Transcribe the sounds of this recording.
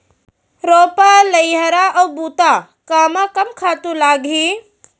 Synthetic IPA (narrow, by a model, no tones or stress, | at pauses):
ɾoːpalɐjɦəɾaʔɔːbuːt̪a | kaːmakɐmkʰaːt̪ũlaːɡʱiː